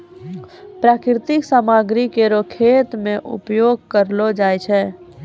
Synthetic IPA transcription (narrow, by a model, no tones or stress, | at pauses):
pɾaːkɾɪt̪ɪksaːmaːɡɾikeɾokʰeːt̪mẽʔʊ̰pjoːɡ̚kəɾlod͡ʒaːjt͡ʃʰɛː